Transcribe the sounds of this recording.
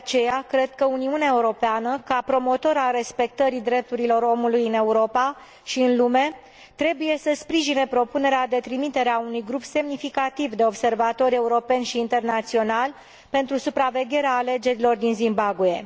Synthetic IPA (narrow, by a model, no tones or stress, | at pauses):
deeat͡ʃe̞jakɾe̞d̪̚kəuniuneaeuɾo̞peanəkapɾo̞mo̞t̪o̞ɾaɾe̞spe̞k̚t̪əɾid̪ɾe̞p̚t̪uɾilo̞ɾo̞mulujɨne̞uɾo̞pa | ʃiɨnlume̞ | t̪ɾe̞buje̞səspɾiʒinepɾo̞pune̞ɾead̪e̞t̪ɾimit̪e̞ɾeaunujɡɾupse̞mnifikat̪ivd̪e̞o̞bse̞rvat̪o̞ɾʲe̞uɾo̞pe̞nʃiːnt̪e̞rnat̪sio̞nal | pe̞nt̪ɾusupɾave̞ɡʲe̞ɾeaːle̞d͡ʒe̞ɾilo̞rd̪inzimbaɡue̞